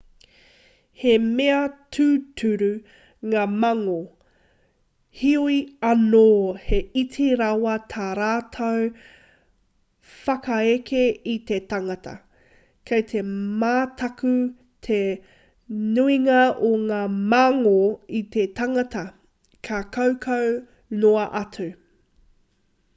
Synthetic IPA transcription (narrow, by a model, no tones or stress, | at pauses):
hemeɐtʰʉːtʰʉɾʉ | ŋaːmɐŋo | hiuiɐnoːheitʰiɾawɐt̪ʰaːɾaːtʰow | fɐkɐekʰeit̪e̞tɐŋɐtʰɐ̰ | kʰɐjt̪ʰe̞maːtʰɐkʉ | t̪ʰe | nuiŋɐoŋaːmaŋoit̪et̪ɐŋɐt̪ʰɐ | kʰakʰowkʰow | noɐʔɐtʰʉ